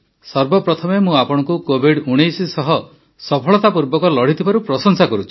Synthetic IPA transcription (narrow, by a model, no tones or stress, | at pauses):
sɔɾbɔpɾɔt̪ʰɔmemũapɔɽ̃ɔ̃kukobʱiɖuɽ̃ejsisɔɦɔ | sɔpʰɔɭɔt̪apuɾbɔkɔlɔɽ̤it̪ʰibaɾupɾɔsɔŋsakɔɾut͡ʃʰi̥